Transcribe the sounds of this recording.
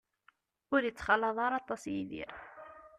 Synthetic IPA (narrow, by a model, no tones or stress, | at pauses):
ʊɾjət͡sːχɑlːɑðˤɑɾˤɑt̪ˤɑsjiðḭɾ